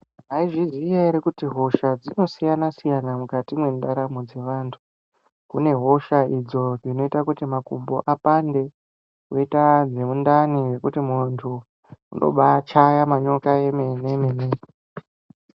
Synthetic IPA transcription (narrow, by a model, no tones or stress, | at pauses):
ɦaiʐizijaiɾekutiɦo̞ʃad͡zino̞sijanasijanamukatimwe̞ndaɾamud͡ze̞ʋaːntʰu̥ | kune̞ɦo̞ʃaid͡zo̞ʐino̞itakutimakumbo̞ʔapande̞ | koitad͡ze̞mundaniwe̞kutimuntʰu | ṵnʔo̞̰ɓat͡ʃajamaɲo̞kaemenemene